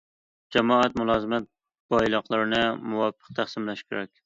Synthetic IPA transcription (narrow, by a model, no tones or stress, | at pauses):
d͡ʒɛmɒæt̪mʊlˠɑzɨmæt̪̚ | b̥ɒjlˠɑqlˠɨɾɪnɪmuwɑfːɨ̥q̚t̪ʰæχsɨmlæʃkʲʰeɾɛk̚ʲ